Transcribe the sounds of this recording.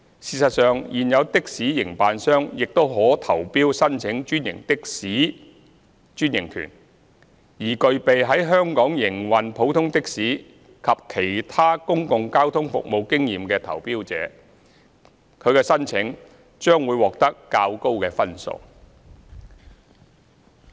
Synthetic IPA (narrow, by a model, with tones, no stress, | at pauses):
siː˧sɐ˨t̚sœː˨ŋjiː˨˩njɐ˨˧wt̪ɪ˥k̚siː˨˥jɪ˨˩ŋpaː˨nsœː˥ŋjɪ˨k̚t̪o˥wɦɔː˨˥t̪ʰɐ˨˩wpiː˥wsɐ˥nt͡sʰɪ˨˥ŋt͡ʃyː˥njɪ̰˨˩ŋt̪ɪ˥k̚siː˨˥ | t͡ʃyː˥njɪ˨˩ŋkʰy̰ː˨˩n | jiː˨˩kɵ˨ɥpe˨jɦɐ˨˥jɦœː˥ŋkɔː˨˥ŋjɪ˨˩ŋwɐ˨npʰo˨˥wt̪ʰʊ˥ŋt̪ɪ˥k̚siː˨˥ | kʰɐ˨p̚kʰe˨˩jt̪ʰaː˥kʊ˥ŋkʊ˨ŋkaː˥wt̪ʰʊ˥ŋfʊ̰˨k̚mo˨˧wkɪ˥ŋjiː˨mkɛː˧t̪ʰɐ̰˨˩wpiː˥wt͡sɛ̰ː˨˥ | kʰɵ˨˧ɥkɛː˧sɐ˥nt͡sʰɪ˨˥ŋ | t͡ʃœː˥ŋwuː˨˧jwɔː˨k̚t̪ɐ˥kːaː˧wko˥wkɛː˧fɐ˥nso̰˨w